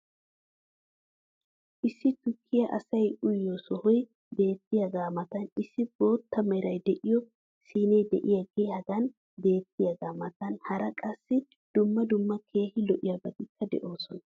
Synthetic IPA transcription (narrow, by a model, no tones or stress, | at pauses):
ʔɪsːɪt̪ʊkʰːɪjɐʔɐ̰sɐjʊjːɔsɔhɔj | be̞ːt̪ːɪjɐɡaːmɐt̪ɐnɪsːɪbo̞ːt̪ːɐmɛɾɐjd̪ɛʔɪjɔ | siːnejd̪ɛ̰ʔɪjɐɡehɐɡɐn | be̞ːt̪ːɪjɐɡaːmɐt̪ɐnhɐɾɐkʼɐsːɪ | d̪̥ʊmːɐd̪ʊmːɐkʰe̞ːhɪlɔʔɪjɐbɐt̪ɪkːɐd̪ɛ̰ʔo̞ːsɔnɐ